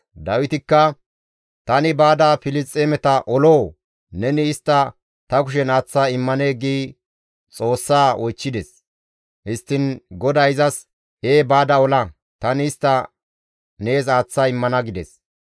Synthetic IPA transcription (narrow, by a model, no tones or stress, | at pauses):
d̪ɐwɪt̪ɪkːɐ | t̪ɐnɪbaːd̪ɐfɪlɪt͡sʼːeːmɛt̪ɐʔɔloː | nɛnɪːst̪ːɐ | t̪ɐkʊʃ̬ɛnaːt͡sːaːɪmːɐneːɡiː | t͡sʼo̞ːsːaːʔɔjt͡ʃːɪd̪ɛs | hɪst̪ːɪnɡɔd̪ɐɪzɐs | eːbaːd̪ɐɔlɐ | t̪ɐnɪːst̪ːɐ | ne̞ːsaːt͡sːaːɪmːɐnɐɡɪd̪ɛ̰s